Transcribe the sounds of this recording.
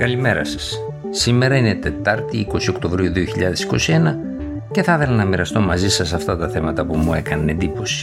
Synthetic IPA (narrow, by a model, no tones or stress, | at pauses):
kɐlime̞ɾɐ̰sɐ̥s | sime̞ɾɐine̞t̪e̞t̪ɐɾt̪iiko̞sio̞kt̪o̞vɾiuðioçiʎɐðe̞si̥ko̞sie̞nɐ | ce̞θɐɐθelɐnɐmiɾɐst̪o̞mɐzisɐsɐft̪ɐt̪ɐθe̞mɐt̪ɐpumue̞kɐnɐne̞nd̪ipo̞si̥